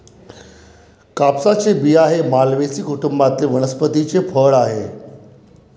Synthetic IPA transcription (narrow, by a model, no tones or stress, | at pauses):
kapsat͡sebiːaɦemalʋesiːkuʈumbat̪leʋəɽ̃əspət̪it͡sefʰəɭaɦḛ